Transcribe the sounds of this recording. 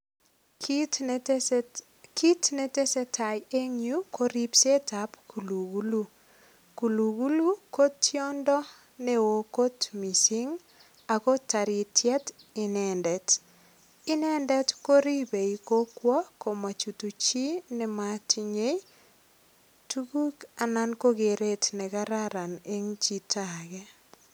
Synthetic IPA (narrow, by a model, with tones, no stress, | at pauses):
ki˦tnɛ˦tɛ˦sɛ˦ta˨je˦ɲju˦ko˦ɾi˦pse˦ta˨pku˨lu˨ɡu˦lu˦ | ku˨lu˨ɡu˦lu˦ko˦tʰjo˦ndɔ˦ | nɛ˦wo˨ko˦tmi˨si˦ŋ | a˨ko˦ta˨ɾi˨tʰjɛ˦t | i˨nɛ˨ndɛ˨t | i˦nɛ˦ndɛ˦tko˦ɾi˦be˨iko˦kwɔ˦ko˨ma˨t͡ʃu˨tu˨t͡ʃi˦nɛ˨ma˦ti˦ɲe˦j | tu˦ku˦ka˨na˦nko˦ɡe˨ɾe˦tnɛ˨ka˦ɾa˦ɾa˨ne˦ŋt͡ʃi˦tʰa˨kɛ˦